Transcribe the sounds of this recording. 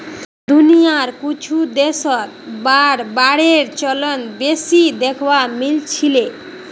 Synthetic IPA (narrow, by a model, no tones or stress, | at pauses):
d̪unijaɾkut͡ɕʰud̪eʃɔt̪ | baɾbaɽeɾt͡ɕɔlɔnbesid̪ekʰbamilt͡ɕʰile